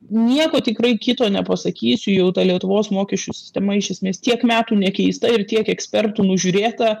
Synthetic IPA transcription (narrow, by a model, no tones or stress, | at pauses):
nʲiɛkoːt̪ʲɪkrɐɪkʲɪt̪oːnʲɛpɐsɐkʲiːsʲʊjɛʊt̪ɐlʲiɛt̪ʊʋoːsmoːkʲɛʃʲt͡ʃʲusʲɪ̥sʲt̪ʲɛmɐɪʃʲɛsʲmʲeːst̪ʲiɛkmʲæːt̪uːnʲɛkʲɛɪst̪ɐɪrt̪ʲiɛkɛksʲpʲɛrt̪uːnʊʒʲuːɾʲeːt̪ɐ